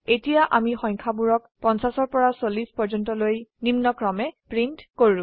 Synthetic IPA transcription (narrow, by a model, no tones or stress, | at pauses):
etijaʔamixɔjŋkʰabuɹɔk̚pɔnsasɔɹpɔɹasolispɔɹd͡ʒɔntɔlojnimnɔkɹɔmɛpɹintkoɹũ